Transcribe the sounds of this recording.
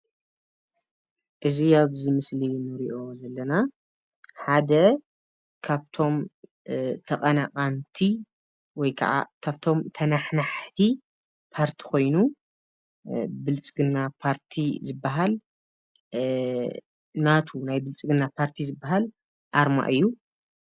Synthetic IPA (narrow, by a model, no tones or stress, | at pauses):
ʔɨziaβzimɨslinɨɾiʔo̞zɐlːɐna | ħad̪ɐ | kʰaβt̪ʰo̞m | t̪ʰɐqʼɐnaqʼant̪ʰi | wɔjkʰɐ̰ʔa̰kʰaβt̪ʰo̞mt̪ʰɐnaħnaħt̪ʰi | pʰaɾt̪ʰi̥ko̞jnu | bɨlt͡sʼɨɡɨnːapʰaɾt̪ʰizɨbːaɦal | nat̪ʰunajbɨlt͡sʼɨɡɨnːapʰaɾt̪ʰizɨbːaɦal | ʔaɾma̰ʔɨjːu